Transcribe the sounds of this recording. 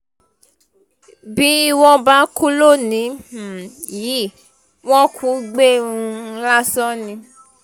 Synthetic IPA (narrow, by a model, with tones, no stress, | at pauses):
bi˦i˧wɔ̃˧ba˨˦ku˦lo˦˨nĩ˨˦˨ | ji˨˦˨ | wɔ̃˦kʰu˦ɡ͡be˦˨ũ˧la˦sɔ˦nĩ˧